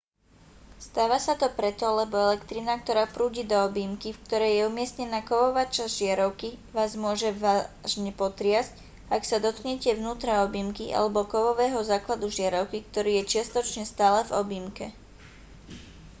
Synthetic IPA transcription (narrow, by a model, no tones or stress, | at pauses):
st̪aːʋasat̪ɔpɾɛt̪ɔlɛbɔɛlɛkt̪ɾinak̚t̪ɔɾaːpɾuːɟiːd̪ɔɔbimkifk̚t̪ɔɾɛjjɛumɪɛstɲɛnaːkɔʋɔʋaːt͡ʃazʒɪaɾɔʊkiʋaːzmʊɔʒɛʋaːʒɲɛpɔt̪ɾɪazc | aksad̪ɔt̪̚kɲɛcɛvnuːt̪ɾaɔbimkiʔa̰lɛbɔkɔʋɔʋɛːɦɔzaːklad̪uʒɪaɾɔʊkikt̪ɔɾiːjɛt͡ʃɪast̪ɔt͡ʃɲɛst̪aːlɛvɔbimkɛ